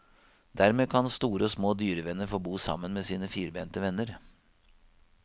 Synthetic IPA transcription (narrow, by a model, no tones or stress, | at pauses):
d̪æɾmeːkʰɑnst̪uːɾəɔsmoːd̪yːɾəʋɛnːəɾfoːbuːsɑ̰mːənmeːsiːnəfiːɾbeːnt̪əʋɛnːəɾ